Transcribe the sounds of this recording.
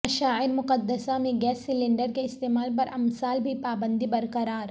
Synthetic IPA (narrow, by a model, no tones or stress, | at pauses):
ɐʃaːɪɾmʊqɐd̪ːəsamẽɡɛːsːɪlɪ̃ɳɖəɾkeɪst̪eːmaːlp̬ɐɾɐmsaːlbʱipaːbə̃nd̪ʱibɐɾkɐɾaːɾ